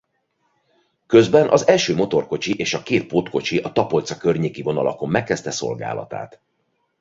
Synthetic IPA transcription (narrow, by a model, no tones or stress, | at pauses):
kø̞zbɛnʔɒzɛlʃøːmo̞t̪o̞rko̞t͡ʃiʔeːʃɒkeːt̪̚poːt̪ko̞t͡ʃiʔɒt̪ɒpo̞lt̪sɒkørɲeːkivo̞nɒlɒ̰ko̞mːɛkːɛst̪ɛso̞̰lɡa̰ːlɒ̰t̪a̰ːt̪